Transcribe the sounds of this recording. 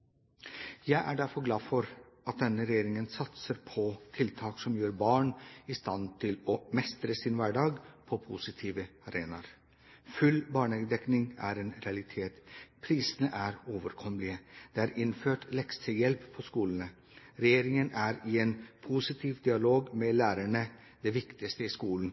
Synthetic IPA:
jæɪʔæɖæɾfɔɾɡlɑːfɔɾ | ɑt̪̚d̪ɛnːəɾɛjeːɾɪŋənsɑt̪səɾpʰɔt̪ʰɪlt̪ʰɑːksɔmjøːɾbɑːɳɪst̪ɑnt̪ʰɪlɔmɛst̪ɾəsɪnʋæɖɑːɡpʰɔpʰusɪt̪ʰiːʋəɑɾeːnɑɾ | fʉlbɑːɳəɡəd̪ɛknɪŋæ̰ɾeːnɾɛɑlɪt̪ʰeːt̪pʰɾiːsənəʔæɾoːʋəɾkʰɔmlɪəd̪̥ɛæɾɪnføːʈlɛkst̪ʰəjɛlppʰːɔskuːln̩ə | ɾɛjeːɾɪŋənæɾɪenpʰʊsɪt̪ʰiːʋd̪ɪɑloːɡmɛlæːɾæɳə | d̪ɛʋɪkt̪ɪst̪əɪskuːln̩

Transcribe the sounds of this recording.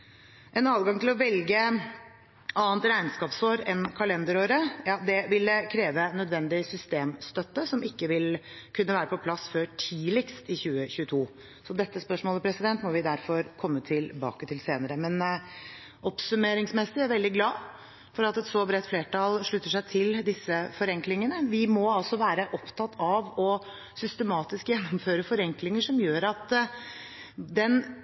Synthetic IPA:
ʔɛnɑːd̪ɡɑŋt̪ɪlɔʋɛlɡə | ɑːənt̪ɾæɪnskɑːpsoːɾɛnkʰɑlɛnd̪əɾoːɾəjɑːd̪ɛʋɪlːəkʰɾeːʋənœd̪ʋɛnd̪ɪsʏst̪eːmst̪œt̪ːəsɔmɪkːəʋɪlkʰʉnːəʋæːɾəpɔpʰlɑsføːʈʰiːlɪkst̪ɪçʉːəçʉːət̪ʰuː | sɔd̪ɛt̪ːəspœʂmoːləpʰɾɛsɪd̪ɛnt̪mɔʋɪd̪æɾfɔɾkʰɔmːət̪ʰɪlbɑ̰ːkət̪ʰɪlseːnəɾəmɛn | ʔɔpsʉmeːɾɪŋsmɛsɪæɾʋɛld̪ɪɡlɑː | fɔɾɑt̪ɛt̪sɔbɾɛt̪ːfleːʈɑlʂɭʉt̪ːəʂæɪt̪ʰɪld̪ɪsːəfɔɾɛŋklɪŋənəʋɪmɔɑlsɔʋæːɾəʔɔpt̪ʰɑt̪ʰːɑʋɔ | sʏst̪əmɑːt̪ɪskjɛnːɔmføːɾəfɔɾɛŋklɪŋəʂɔmjøːɾɑt̪ | d̪ɛn

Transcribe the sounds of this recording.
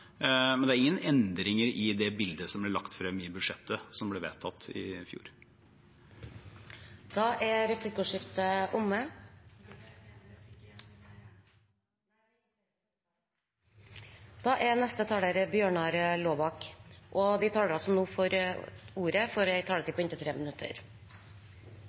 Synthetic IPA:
mɛnd̪ɛæɾɪŋːənɛnd̪ɾɪŋəɾɪd̪ɛbɪld̪əsɔmblɪɭɑkt̪fɾɛmːɪbʉd̪ʂɛt̪ʰːəsɔmblɛʋḛːt̪ʰɑt̪ːɪ̰fjṵːɾ | d̪̥ɑːʔæɾɾɛpʰlɪkːəʉːʂɪft̪əʔʊmːə | d̪̥ɑːʔɛɾnɛst̪ət̪ʰɑːləɾəbjøːɳɑːɾəloːbɑkʔɔd̪ɪt̪ʰɑːləɾɑlsɔnuːfɔɾuːɾəfɔɾjæɪt̪ʰɑːlət̪ɪlpɔɪnt̪ɪt̪ʰɾeːmənʉt̪ʰːə̰ɾ

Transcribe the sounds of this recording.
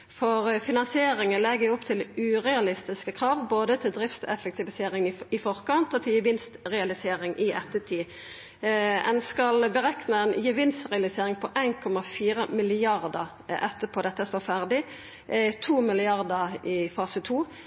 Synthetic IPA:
fɔʁfɪnɑnsɪeːʁɪŋənlɛɡəjʊʊpt̪ʰɪlʉːʁɛɑlɪst̪ɪskəkʰʁɑːʋboːd̪ət̪ʰɪld̪ʁɪft̪ɛ̰fək̚t̪ɪʋɪseːʁɪŋɪɪfɔʁkɑnt̪ɔt̪ʰɪljɪʋɪnst̪ʁɛɑlɪseːʁɪŋʔɪʔɛt̪ːət̪ʰiː | ɛ̰nskɑlbəʁɛknəɛnjɪʋɪnst̪ʁɛɑlɪseːʁɪŋpʰɔʔæɪnkʰɔmɑfiːʁəmɪlɪɑʁd̪əʁ | ɛt̪ːəpʰoːd̪ɛt̪ːəst̪oːfæʁd̪ɪ | t̪ʰuːmɪlɪɑʁd̪əɪfɑːsət̪ʰuː

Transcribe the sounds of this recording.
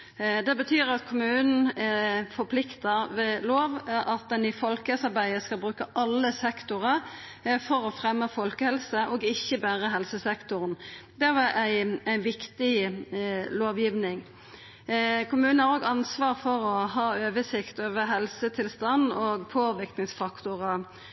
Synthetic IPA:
d̪ɛbət̪ʰyːɾɑt̪kʰʊmʉːnn̩ɛfɔpʰlɪkt̪əɾʋɛloːʋʔɑt̪̚d̪ɛnɪfɔlkəsɑɾbæɪəskɑlbʁʉːkəʔɑlːəsɛkt̪ʊʁəɾ | fɔɾɔfɾɛmːəfɔlkəhɛlsəʔɔːɡɪçːəbæːʁəɦɛlsəsɛkt̪ʊʁnd̪ɛʋɑæɪæɪnʋɪkt̪ɪ | loːʋjiːʋnɪŋ | kʰʊmʉːnn̩hɑʁoːɡɑnsʋɑːʁfɔɾɔhɑːøːʋəsɪkt̪oːʋəɦɛlsət̪ʰɪlst̪ɑnːɔɡpʰoːʋɪɾknɪŋsfɑkt̪ʊʁə

